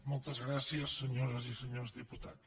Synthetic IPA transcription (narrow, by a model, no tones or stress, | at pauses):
molt̪ɐzɣɾasiɐsːɨɲoɾɐzisɨɲoɾzðiput̪að